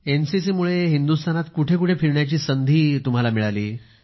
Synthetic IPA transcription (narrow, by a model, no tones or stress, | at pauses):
ensisimuɭeɦind̪ust̪ʰanat̪kuʈʰek̬uʈʰefiɾɳjat͡ɕiːsənd̪ʱiːt̪um̤alamiɭalḭː